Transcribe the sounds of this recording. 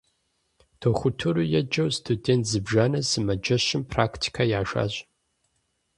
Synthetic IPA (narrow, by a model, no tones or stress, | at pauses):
tʰoːxʷʊtʰuɾujɛd͡ʒɐwstʰudentʰzɨbʒaːnɐsɨmɐd͡ʒɐɕɪmpʰraːktʰi̥kʰajaːʒa̰ːɕʼ